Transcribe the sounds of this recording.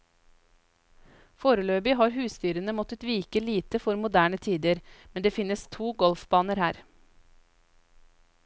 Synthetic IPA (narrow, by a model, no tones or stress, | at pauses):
foːɾəløːbɪɦɑːɾɦʉːst̪yːɾənəmɔt̪ət̪ʋiːkəliːt̪əfɔɾmʊd̪æːɳət̪ʰiːd̪əɾmɛnd̪eːfɪnəst̪ʰuːɡɔlfbɑːnəɾhæːɾ